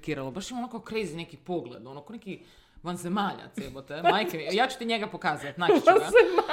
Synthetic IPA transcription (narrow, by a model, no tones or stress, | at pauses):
kiːɾalobaʃimaonokakokɾejzinekipoɡled̪onokoneki | ʋanzemaːʎa̰t̪sebot̪emajkejaːt͡ɕu̥t̪iɲeɡapokaːzat̪nat͡ʃazema